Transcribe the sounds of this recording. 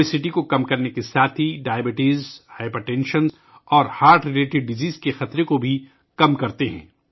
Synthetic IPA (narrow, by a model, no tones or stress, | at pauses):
ɪsɪʈikokɐmkɐɾnekesaːt̪ʰiɖaːjəbɪʈiːzhaɪpɐʈɛ̃ːnʃənz | ɔːɾhaːɾʈɾɪleːʈɪɖːɪziːzkexɐt̪ɾekobʱi | kɐmkɐɾt̪eɦɛ̰̃ː